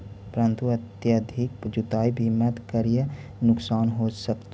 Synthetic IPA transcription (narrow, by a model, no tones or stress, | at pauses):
pəɾənt̪uɐt̪jəd̪ʱik̚d͡ʒut̪aːibʱimət̪kəɾijə | nʊksaːnɦosəkt̪